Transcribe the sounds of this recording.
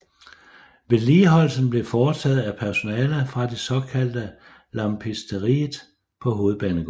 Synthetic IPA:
ʋe̝liːɦɒ̽l̰sən̩b̥le̝fɒːt͡sʰɛð̞̩ˠæpʰæɐso̝nɛːləfʁɑ̈d̥e̝sɒ̽kʰæl̰d̥ə | lɑ̈mpʰesd̥əʁḭːð̩ˠ | pʰɒ̽ɦo̝ːð̩ˠb̥æːnəɡ̥

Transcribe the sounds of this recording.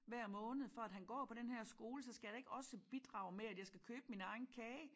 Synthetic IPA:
ʋæɐ̰mɔ̽ːnð̩ˠfɒæd̥ɦænɡ̥ɒ̰ːpʰɒ̽d̥enɦɛɐ̰sɡ̥o̝ːləsɒ̽sɡ̥æjɑe̝ɡ̥ɒ̽səb̥id̥ʁɑ̈ʊmeæd̥jɑ̈ɪsɡ̥ækʰøːb̥əminɑ̈ɪn̩kʰɛː

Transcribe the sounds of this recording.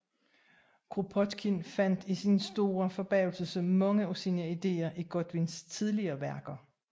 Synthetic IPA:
kʰʁopʰɒd̥kʰinfæn̰d̥isinsd̥o̝ːɐfɒ̽b̥ɛːʊlsəsəmɑ̽ŋəosinəid̥e̝̰ːɐʔiɡ̥ɔd̥ʋinst͡sʰið̞ˠliɐːʋæɐɡ̥ɐ

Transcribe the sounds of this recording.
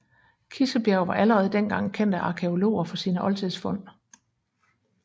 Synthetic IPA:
kʰisəb̥jæʊʋɑ̈ʔæləʁɛːð̞̩ˠd̥en̰ɡ̥ɑ̈ŋ̰kʰen̰d̥æʔɑ̈kʰe̝o̝lo̝̰ːɐfɒ̽siːnəʔɒ̽lt͡sʰeðˠsfɔ̽n̰

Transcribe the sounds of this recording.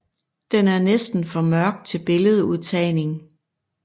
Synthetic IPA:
d̥enæɐnesd̥n̩fɒ̽mɶɐɡ̥̚d̥̚t͡sʰe̝lb̥e̝ləð̞̩ˠuð̞̰ˠt͡sʰɛɪne̝ŋ

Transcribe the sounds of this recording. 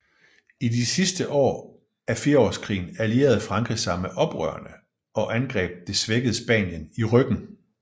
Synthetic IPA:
idisisd̥əʔɒ̰ː | æɐfiɐɒ̰ːskʰʁḭːn̩ælie̝̰ːɐð̞̩ˠfʁɑ̈ŋɡʰʁi̥sɑ̈ɪmeʔɒ̽b̥ʁœ̰ɐnə | ɒ̽ʔænɡ̥ʁɛ̰ːb̥̚d̥e̝sʋeɡ̥əð̩ˠəsb̥ɛ̰ːnjəniʁœɡ̥n̩

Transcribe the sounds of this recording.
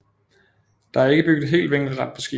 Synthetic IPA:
d̥ɑ̈æɐe̝ɡ̥əb̥yɡ̥ð̩ˠɦe̝̰ːld̥ʋeŋ̰ɡ̥ð̩ˠʁɑ̈d̥̚pʰɒ̽sɡ̥ḭ

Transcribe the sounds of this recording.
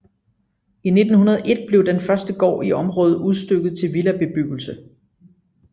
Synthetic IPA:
ine̝d̥n̩hunɐð̞̩ˠʔe̝d̥̚b̥le̝ʊd̥enfɶɐsd̥əɡ̥ɒ̰ːiɒ̽mʁɔːð̩ˠuð̞ˠsd̥øɡ̥ð̩ˠt͡sʰe̝lʋilæb̥e̝b̥yɡ̥l̩sə

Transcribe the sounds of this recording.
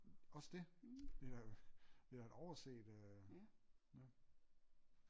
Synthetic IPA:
ɒ̽səd̥e̝d̥e̝dæd̥e̝̥æe̝d̥ɒʊɐse̝̰ːd̥ø | jæ

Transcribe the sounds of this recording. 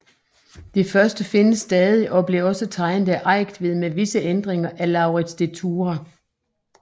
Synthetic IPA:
d̥ifɶɐsd̥əfe̝nəsːd̥ɛːð̞ˠiʔɒ̽b̥le̝ɐɒ̽sət͡sʰɑ̈ɪnð̩ˠæʔɑ̈ɪ̰ɡ̥d̥ʋe̝ð̞̰ˠmeʋisəʔend̥ʁeŋɐʔælɑ̈ʊʁid̥sd̥et͡sʰuːʁɐ

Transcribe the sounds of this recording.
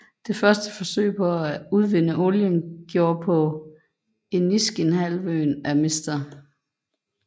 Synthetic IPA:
d̥e̝fɶɐsd̥əfɒ̽sø̰ɪ̰pʰɒ̽æuð̞ˠʋenəʔo̝ljənɡ̥jo̝ːɐpʰɒ̽ | e̝nːisɡ̥enɦælʋøːnæme̝sd̥ɐ

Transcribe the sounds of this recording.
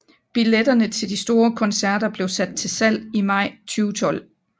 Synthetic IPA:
b̥iled̥ɐnət͡sʰe̝ld̥isd̥o̝ːɐkʰɒ̽nsæɐ̰ɾ̥ɐb̥le̝ʊsæd̥̚t͡sʰe̝sæl̰imɑ̈ɪ̰t͡sʰyːʊt͡sʰɒ̽l̰

